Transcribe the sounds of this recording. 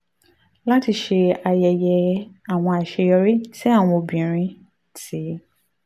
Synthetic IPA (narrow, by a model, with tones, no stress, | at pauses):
la˦ti˧ʃe˧a˨˧jɛ˨jɛ˧a˨w̃ɔ̃˧a˨ʃe˧jɔ˧ɾi˦ti˦a˦˨w̃ɔ̃˧o˧bĩ˨ɾ̃ĩ˦ | ti˨˦